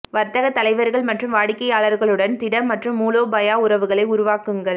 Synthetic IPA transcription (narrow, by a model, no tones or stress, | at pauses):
ʋɐɾt̪ɐɣɐt̪ːɐlɐɪʋɐɾɣɐɭmɐʈrɯmʋaːɽɪkːɐjaːɭɐɾɣɐɭɯɽɐnt̪ɪɽɐmːɐʈrɯmːuːloːbɐjaːʊɾɐʋɯɣɐɭɐɪʊɾʊʋaːkɯŋɡɐɭ